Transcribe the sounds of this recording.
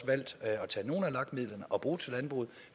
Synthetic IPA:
ʋæl̰d̥ɒ̽t͡sʰɛ̰ːno̝ːn̩ælɑ̈ɡ̥miðˠlɐnəʔɒ̽b̥ʁuːt͡sʰe̝lænb̥ʁṵːð̩ˠ

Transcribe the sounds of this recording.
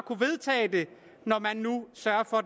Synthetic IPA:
kʰuʋe̝ðˠt͡sʰɛ̰ːd̥e̝ | nɒmænːusɶɐfɒ̽

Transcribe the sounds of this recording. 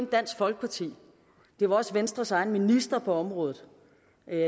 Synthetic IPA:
nd̥æn̰sɡ̥fɒ̽lɡ̥ə̥pʰɑ̈t͡sʰḭː | d̥e̝ʋɑ̈ɒ̽sʋensd̥ʁɐsɑ̈ɪnminisd̥ʁɐpʰɒ̽ɒ̽mʁɔ̽ːð̩ˠ

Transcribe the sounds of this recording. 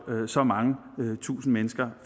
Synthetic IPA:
øsɒ̽mɑ̈ŋəøt͡sʰṵːsn̩menəsɡ̥ɐf

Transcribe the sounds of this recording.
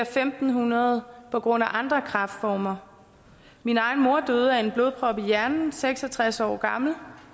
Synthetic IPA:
ɐfemd̥n̩ɦunɐð̞ˠpʰɒ̽ɡ̥ʁɔ̽n̰æʔɑ̈nd̥ʁɐkʰʁɑ̈fd̥fɒːmɐ | minɑ̈ɪn̩mo̝ɐ̰d̥øð̞̩ˠəæe̝nb̥lo̝ð̞ˠpʰʁɒ̽b̥ijæɐnn̩seɡ̥sɒ̽t͡sʰʁasɒ̰ːɡ̥ɑ̈ml̩

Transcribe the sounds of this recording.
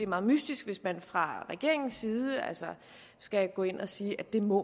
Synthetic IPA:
e̝æɐmɑ̈ðˠmysd̥isɡ̥ʋe̝smænfʁɑ̈ʁɛɡ̥e̝ɐe̝ŋn̩sːiːð̞ˠəæ̰lsɒ | sɡ̥æɡ̥ɔ̰̽e̝n̰ʔɒsiːʔæd̥e̝mɔ

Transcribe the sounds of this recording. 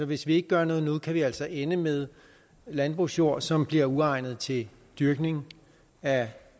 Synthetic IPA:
sɒ̽ʋe̝sʋie̝ɡ̥əɡ̥ɶɐnɔ̽ːðˠnɔ̽ːð̩ˠkʰæʋiæl̰sɒ̽ʔenəmeðˠ | lænb̥ʁusjo̝ɐ̰sɒ̽mb̥liɐuɑ̈ɪ̰nð̞̩ˠt͡sʰe̝l | d̥yɐɡ̥ne̝ŋ | æ

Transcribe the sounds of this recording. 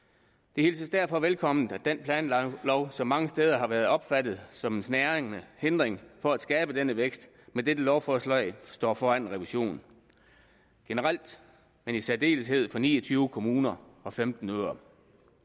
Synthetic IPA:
d̥e̝he̝ːlsisd̥æɐfɒ̽ʋelkʰɒ̽mn̩æ̥enpʰlɛ̰ːnlɒʊsɒ̽mːɑ̈ŋəsd̥eːð̞ˠɐɦɑ̈ʋæɐð̞̩ˠɒ̽b̥fæd̥ð̩ˠsɒ̽me̝nsnæɐeŋnəhend̥ʁeŋfɒ̽æd̥sɡ̥ɛːb̥əd̥enəʋeɡ̥sd̥ | med̥ed̥əlɒʊfɒːslɒɪsd̥ɒ̰ːfɒ̰ːænnʁɛʋiɕo̝̰ːn | ɡ̥e̝nəʁɑl̰d̥ | menisæɐd̥e̝̰ːləshe̝ð̞̰ˠfɒ̽nḭːɒt͡sʰyːʊəkʰo̝muːnɐɒ̽femd̥n̩øːɐ

